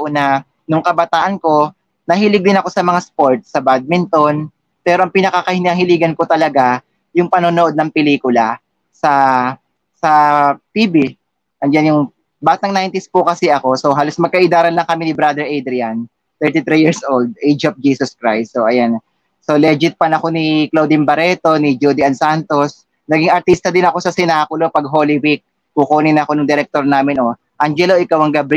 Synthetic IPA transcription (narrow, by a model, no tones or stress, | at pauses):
ʔnɐ | nʊŋkɐbɐt̪aːʔɐnko̞ | nɐhɪlɪɡ̚d̪ɪnɐko̞sɐmɐŋaspoɹt̪̚sɐbad̪̚mɪnt̪on | pɛːɾo̞ʔɐŋpinɐkakɐhɪnɐŋhɪliːɡɐnkot̪ɐlɐɡa | jʊŋpɐnonoʔo̞d̪̚nɐŋpɛliːkʊla | sɐ | sɐt̪iːbi | ʔɐŋd͡ʒanjʊŋ | baːt̪ɐŋnajnt̪ɪspʊkɐsɛʔɐko̞so̞ɦaːlosmɐɡ̚kɐʔɪd̪aːɾɐnlɐŋkɐminɪbɾad̪ɛɹʔejd̪ɾɪjan | t̪ɛɹt̪it̪ɾijiɹsʔold̪̚ʔejd͡ʒɐf̚d͡ʒiːsoskɹajstːoʔɐjan | solɛd͡ʒɪt̪̚pɐnɐko̞nɪklowd̪ɪmbɐɾɛːt̪o̞nɪd͡ʒud̪ɪɐnsant̪o̞s | nɐɡiŋɐɾt̪ist̪ɐd̪ɪnɐko̞sɐsɪnaːkʊlopɐɡ̚ɦolɪwik̚ːukoːnɪnɐɐko̞nʊŋd̪ɛɾɛk̚t̪oɾnaːmɪnʔo | ʔand͡ʒɛloʔɪkawɐŋɡɐbɾ